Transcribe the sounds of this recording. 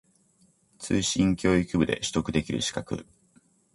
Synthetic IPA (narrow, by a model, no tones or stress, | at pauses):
t͡sɨːɕĩŋkʲo̞ːikɯbɯ̟d̪e̞̰ɕi̥t̪o̞kɯ̟d̪e̞kʲiɾɯ̟̰ɕi̥kakɯ̟̰